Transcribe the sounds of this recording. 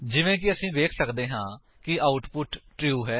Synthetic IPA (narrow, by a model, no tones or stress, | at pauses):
d͡ʒɪʋẽːkɪəsĩːʋeːkʰsəkd̪eːɦãː | kɪaːʊʈpʊʈʈɾiuːɦɛː